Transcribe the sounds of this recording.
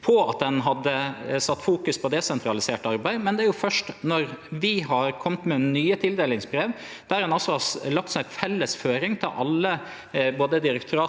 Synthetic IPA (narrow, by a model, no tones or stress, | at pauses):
pʰɔɑ̰t̪̚d̪ɛnɦɑd̪ːəsɑt̪ːfuːkʉspʰɔd̪ɛsɛnt̪ʰɾɑlɪseːʈɑɾbæɪmɛnd̪ɛæɾjʊfœʂʈnɔɾʋɪɦɑɾkʰɔmt̪mɛnyːət̪ʰɪld̪eːlɪŋsbɾeːʋ | d̪̥æɾɛnɔsːɔɑlɑk̚t̪sɔnæt̪fɛlːəsføːɾɪŋt̪ʰɪlʔɑ̰lːə | boːd̪əd̪ɪɾəkt̪ʰʉɾɑː